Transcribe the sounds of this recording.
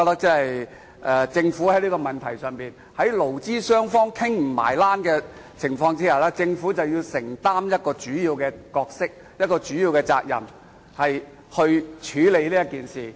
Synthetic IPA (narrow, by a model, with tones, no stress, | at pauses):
ɔ˧t̪ɐ˥k̚t͡sɛ˥hɐ˨j | ʔɛ˨˧t͡sɪ˧ŋfu˨˥hɐ˨˥jliː˥kɔ˧mɐ˨˩nt̪ʰɐ˨˩jsœː˨ŋpiː˨n | hɐ˨˥jlo˨˩wt͡siː˥sœː˥ŋfɔː˥ŋkʰɪ˥ŋm̩˨˩ma̰ː˨˩jlaː˥nkɛː˧t͡sʰɪ˨˩ŋfɔː˧ŋt͡siː˥ɐ˨˩laː˦˥t͡sɪ˧ŋfu˨˥t͡sɐ˨˩wji˧wsɪ˨˩ŋt̪aː˥mjɐ˥t̚kɔː˧t͡ʃyː˨˥jiː˧wkɛː˧kɔː˧k̚sɪ˥k̚ | jɐ˥t̚kɔː˧t͡ʃyː˨˥jiː˧wkɛː˧t͡sa̰ː˧k̚jɐ̰˨˩m | hɐ˨j | hɵ˧ɥt͡ʃʰyː˨˥le˨˧jliː˥jɐ˥t̚kiː˨nsiː˨˩